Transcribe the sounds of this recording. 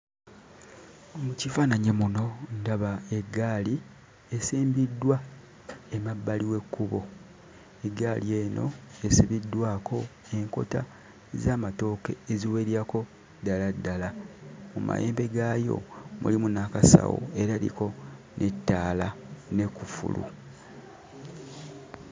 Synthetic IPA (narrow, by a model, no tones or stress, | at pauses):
omucifanaɲemuno̞ndaβae̞ɡːaːli | esiːmbidːwa | emabːaliwe̞kːuβo̞ | eɡːaːlie̞ːnʔo̞̰esiβidːwaːko̞ | e̞ŋko̞̰ta | ezaːmato̞ːke̞eziwe̞ːɾiako̞ | daladːalamuma̰jeːmbe̞ɡaːjo̞̰mṵlimunakasa̰wo̰e̞ɾalḭko̞ | nʔe̞tːaːlane̞kufṵlṵ